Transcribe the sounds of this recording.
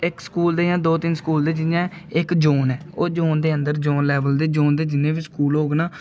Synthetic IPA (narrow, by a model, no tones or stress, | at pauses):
ɪkskuːld̪eːjãːd̪oːt̪ɪnskuːld̪eːd͡ʒɪnjãː | ɪkd͡ʒoːnɛːoːd͡ʒoːnd̪eːənd̪əɾd͡ʒoːnlɛːʋəld̪eːd͡ʒoːnd̪eːd͡ʒɪnẽːʋiskuːlɦoːɡnaː